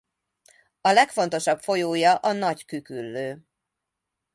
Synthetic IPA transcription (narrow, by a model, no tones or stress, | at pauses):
ɒlɛkfo̞n̪t̪o̞ʃɒpfo̞joːjɒʔɒnɒckykylːøː